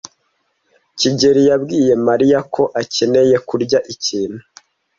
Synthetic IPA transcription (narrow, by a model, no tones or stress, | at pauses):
ciɟe̞ɾijabɡiːje̞maɾijakʰo̞ʔace̞ne̞je̞kuɾɟaʔiciːn̥hu